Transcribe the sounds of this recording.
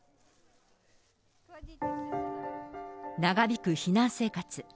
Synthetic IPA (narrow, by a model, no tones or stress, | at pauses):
naɡabʲikɯ̟çinãɰ̃se̞ːkat͡sɨ